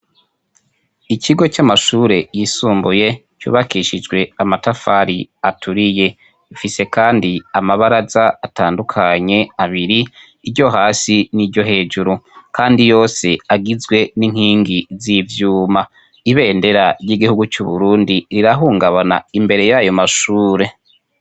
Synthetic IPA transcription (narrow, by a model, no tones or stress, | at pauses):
iciɡo̞t͡ʃamaʃuːɾe̞jiːsuːmbuje̞ | t͡ʃṵːβakiʃid͡ʒɡwe̞amatafaɾiatuɾije̞ | ifise̞kaːndiamaβaɾazaːtaːndukʰaɲe̞aβiɾiː | ɾɟo̞ɦaːsiniɾɟo̞ɦe̞ːd͡ʒuɾukaːndijo̞ːse̞aɡizɡwe̞niŋ̥hiːŋɡizivjuːma | iβe̞ːnde̞ɾaɾjiɡihuɡut͡ʃuβuɾuːndiɾiɾaɦuːŋɡaβana̰imbe̞ɾe̞jajo̞maʃuːɾe̞